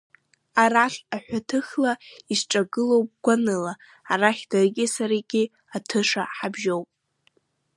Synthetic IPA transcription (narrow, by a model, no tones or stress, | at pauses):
aɾaɬaħʷᶣatʰɨxlaisʈ͡ʂʼaɡɨlo̞wpʼɡ̥ʷanɨlaː | raχʲdarɡʲisaɾaɡʲi | atʰɨʂa̰ħabʒowpʼ